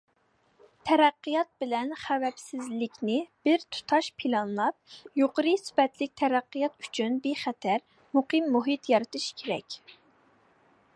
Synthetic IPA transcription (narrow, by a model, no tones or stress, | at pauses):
t̪ʰɛɾæqːijɑt̪̚bɪlɛnχævɛpsɪzlɪkʲnɪb̥ɪɾt̪ʰu̥t̪ʰɑʃpʰilˠɑnlˠɑp̚joqəɾɨsy̥pɛt̪lɪk̚ʲt̪ʰɛɾæqːijɑt̪y̥t͡ʃʰynbeχɛt̪ʰæɾ | muqʰɨmːuɦɨt̪jɑɾɨt̪ɨʃkʲʰeɾɛ̰kʲ